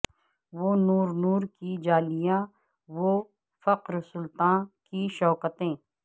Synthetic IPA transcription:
ʋoːnuːɾnuːɾkid͡ʒaːlijãː | ʋo | fɐqɾsʊlt̪ãːkiʃɔːkət̪ẽː

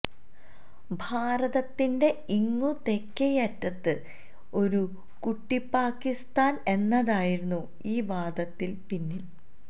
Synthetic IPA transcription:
bʱaːɾɐðɐt̪ːinde̞iŋːut̪e̞kːɐjɐtːɐt̪ːɨ | o̞ɾu | kuʈːipːaːkːist̪aːne̞nːɐðaːjiɾunːu | iːʋaːd̪ɐt̪ːilpinːil

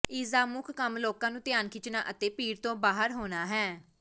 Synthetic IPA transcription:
iːzaːmʊkʰkəmloːkãːnũːt̪ɪjaːnkʰɪt͡ʃnaːʔət̪eːpiːɾt̪õːbaːɦəɾɦoːnaːɦɛː

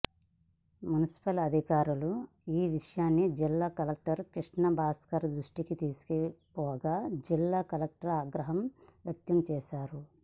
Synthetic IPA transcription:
munisi̥pɐlɐd̪ʱikaːɾulu | iːʋiʂɐjaːnːid͡ʒilːaːkɐlɐk̚ʈɐɾkiʂɳɐbʱaːskɐɾd̪ɾuʂʈikit̪iːsu̥kipɔːɐɡaːd͡ʒilːaːkɐlɐk̚ʈɐɾaːɡɾɐɦɐmʋjɐk̚t̪ɐmt͡ʃɛːʃaːɾu

